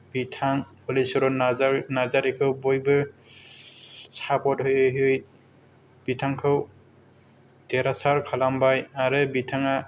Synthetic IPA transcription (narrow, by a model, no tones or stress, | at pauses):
bitʰaŋpɔlisɔɾɔnazaɾikʰɯwbɔjbɯ | sapɔtɦɯjɯɦɯj | b̥itʰaŋkʰɯw | tɛɾasaɾkʰalambajaɾɯbitʰaŋa